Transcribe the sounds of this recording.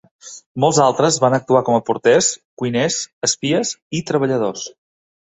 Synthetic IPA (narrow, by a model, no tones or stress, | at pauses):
molˠzalˠt̪ɾəzβanək̚t̪uakɔməpuɾt̪ɛskujnɛsəspiəsit̪ɾəβəʎəð̞os